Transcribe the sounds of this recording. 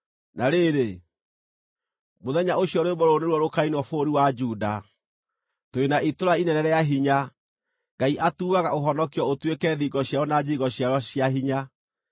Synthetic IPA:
naɾeɾe | moðɛɲaoɕijɔɾoebɔɾoneɾwɔɾokainwɔfoɾiwad͡ʒuːda̰ | toenaitoɾainɛnɛɾɛjaɦiɲa | ŋɡaiʔatuːɣaɣaoɦɔnɔkiɔotwekɛːðiɡɔɕjaɾɔnad͡ʑiɣɔɕjaɾɔɕjaɦiɲa

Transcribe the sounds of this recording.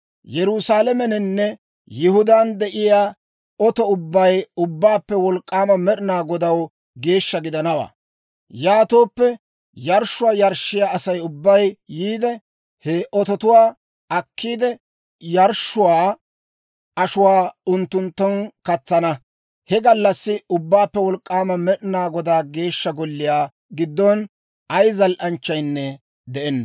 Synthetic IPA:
jɛɾʊsaːlɛmɛnɛnːɛ | jɪhʊd̪and̪ɛʔɪjaː | ɔt̪ɔʊbːɐjʊbːaːpːɛwɔlkʼːaːmɐmɛɗɪnaːɡɔd̪ɐw | ɡe̞ːʃːɐɡɪd̪ɐnɐwa̰ː | jaːt̪oːpːɛ | jɐɾʃːʊwaːjɐɾʃːɪjaːɐsɐjʊbːɐjːiːd̪ɛ | hɛʔɔt̪ɔt̪ʊwaː | ɐkːiːd̪ɛ | jɐɾʃːʊwaː | ʔɐʃʊwaːʊnt̪ːʊnt̪ːɐnkɐt͡sːɐnɐ | hɛɡɐlːɐsːɪʊbːaːpːɛwɔlkʼːaːmɐmɛɗɪnaːɡɔd̪aːɡe̞ːʃːɐɡɔlːɪjaː | ɡɪd̪ːɔn | ɐjzɐlʔɐnt͡ʃːɐjnːɛ | d̪ɛʔɛnːɐ

